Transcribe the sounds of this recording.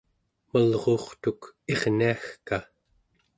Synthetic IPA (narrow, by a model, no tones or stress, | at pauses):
məlʁo̞ːχt̪uke̞ʁniaxka